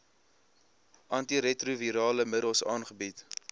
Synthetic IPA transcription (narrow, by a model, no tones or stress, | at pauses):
ʔɐntiɾɛtruviɾɑːləmədəlˠsɑːnχəbit